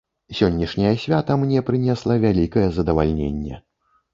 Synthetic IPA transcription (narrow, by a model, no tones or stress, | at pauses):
sʲɔnʲːiʂnʲɐjɐsʲvʲat̪ɐmnʲɛpɾɨnʲɛslˠɐvʲalʲikɐjɛzɐd̪ɐva̰lʲnʲḛnʲːɛ̰